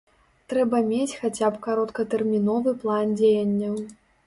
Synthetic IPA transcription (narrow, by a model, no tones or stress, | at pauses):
t̪ɾɛbɐmʲet͡sʲxat͡sʲapkaɾɔt̪kɐt̪ɛrmʲinɔvɨplˠand͡zʲejɐnʲːɐw